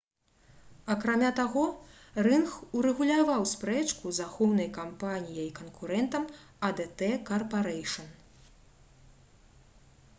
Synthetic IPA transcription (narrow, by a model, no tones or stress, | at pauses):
ɐkɾamʲat̪aɣɔ | rɨnxuɾɛɣulʲavawspɾɛt͡ʂkuzaxɔwnɐjkampanʲijɐjikɐnkuɾɛnt̪ɐm | ɐd̪ɛt̪ɛkɐrpaɾɛjʂɐn